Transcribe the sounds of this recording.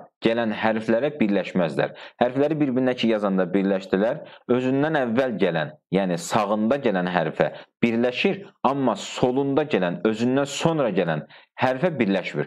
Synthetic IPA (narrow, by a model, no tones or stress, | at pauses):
ɟ̥ælænhæɾflæɾæbiɾlæʃmæzlæ̰ɾhæɾflæɾibiɾbinnæcʰijɑzɑnd̪ɑbiɾlæʃd̪ilæɾø̞zynd̪ænævːælɟælænjæːnisɑɣɯnd̪ɑɟælænɦæɾfæ̰b̥iɾlæʃiɾɑmːɑso̞lˠund̪ɑɟælænø̞zynd̪ænso̞nɾɑɟælænhæɾfæbiɾlæʃmḭɾ